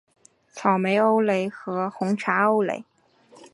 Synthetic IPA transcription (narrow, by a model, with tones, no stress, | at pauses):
t͡sʰɑ˨˩ʊme˧˥ɪo˥ʊle˧˥ɪxɤ˧˥xʊ˧˥ŋʈ͡ʂʰa˧˥o˥ʊlḛ˧˥ɪ